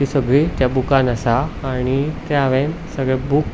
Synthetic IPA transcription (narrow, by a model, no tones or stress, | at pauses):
isəɡɭit̪jabukanəsaːɽ̃it̪jaʋen | səɡɭɛbuk